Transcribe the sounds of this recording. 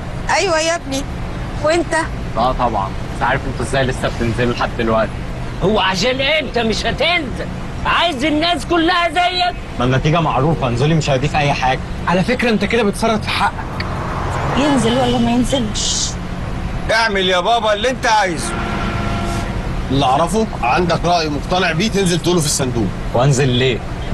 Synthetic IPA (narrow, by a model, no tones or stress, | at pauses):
ʔæjwæjæb̚ni | wʔent̪æ | ʔæːt̪ˤɑbʕɑ̰nbæsʕaːɾefʔent̪æʔezːæːjlesːæb̚t̪enzellħad̪ːd̪elwæʔt̪i̥ | howːæʕaʃ̬æːnʔeent̪æmeʃhæt̪enzel | ʕajezenːæːskolːæhæzæjːæk̚ | mænæt̪iːɡæmaʕɾuːfɑʔnzolːimeʃajd̪iːfiʔæjːħaːɡæ | ʕalæfekɾæʔent̪æked̪æbet̪fɑrˤːɑd̪ˤfi̥ħaʔːæk | jenzelwælːæmæjenzelʃ | ʔeʕmeljæːbæːbɑelːiʔent̪æʕajzo | ʔelːʔɑʕɾˤɑfoʕand̪ækɾˤɑːʔjimoqt̪ɑneʕbiːt̪enzelt̪uːlofisːænd̪uː | wʔænzelːeː